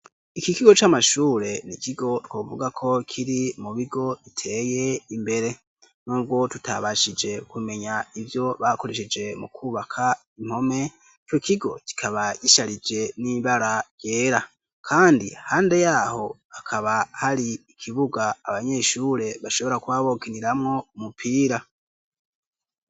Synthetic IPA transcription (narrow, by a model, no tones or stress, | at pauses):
ikikiɡo̞t͡ʃamaʃuːɾe̞nikiɡo̞twoːvuɡakʰo̞kʰiɾimuβiɡo̞itʰe̞je̞imbe̞ɾe̞ | nuːb̚ɡwo̞tutʰa̰βaʃid͡ʒe̞kume̞ɲaivjo̞βako̞ɾe̞ʃed͡ʒe̞mukʰuːβakʰa | im̥ho̞me̞ | t͡ʃokiɡo̞̰ki̥kʰaβajiʃaɾid͡ʒe̞niβaɾaje̞ːɾa | kʰaːndihaːnde̞jaːho̞akʰaβahaɾiːkʰiβuɡaːβaɲe̞ʃuːɾe̞βaʃo̞βo̞ɾakwaːβoːkiniɾamŋo̞umupʰiːɾa